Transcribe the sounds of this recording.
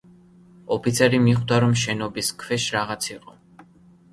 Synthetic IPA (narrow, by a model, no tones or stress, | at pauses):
ɔpʰit̪sʰɛɾimiχd̪aɾɔmʃɛnɔbiskʰvɛʃɾaʁat̪sʰiqʼɔ